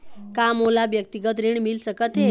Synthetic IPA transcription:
kamolabjək̚t̪iɡət̪ɾiɳmilsəkət̪ɦe

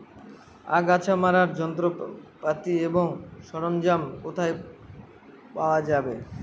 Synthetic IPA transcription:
a̰ɡat͡ɕʰamaɾaɾd͡ʑɔnt̪ɾopat̪ieboŋʃɔɾomd͡ʑamkot̪ʰae | paoad͡ʑabe

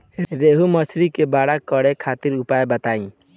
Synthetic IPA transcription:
ɾeɦumət͡ʃʰɾikebaɽakːɔɽekʰat̪iɾupaebət̪aĩ

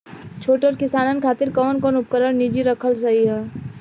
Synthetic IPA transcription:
t͡ʃʰoːʈəɾkɪsaːnənkʰaːt̪ɪɾkɔːnkɔːnʊp̚kəɾəɾnid͡ʒiɾɐkʰəlsɐɦiɦɛː

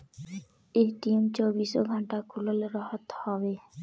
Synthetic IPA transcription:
eʈimt͡ɕobiso̰ɡʱɔɳʈakʰuloleɾɔɦɔt̪hɔbe

